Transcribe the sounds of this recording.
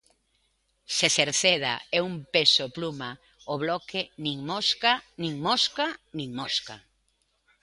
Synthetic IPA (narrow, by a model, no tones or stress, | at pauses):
seseɾθeða̰ɛumpesopluma | oβlɔkenĩŋmoskanĩŋmoskanĩŋmoska